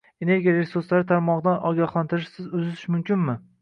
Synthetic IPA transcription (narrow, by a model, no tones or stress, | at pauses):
e̞ne̞ɾɡʲijalesʊɾslaɾɪt̪ʰaɾmɒʁɨd̪anɒɡʲɒχlˠant̪ʰɪɾɪʃsɪzʊzɪt̪ʰɪʃmʊmkʲɪnmɪ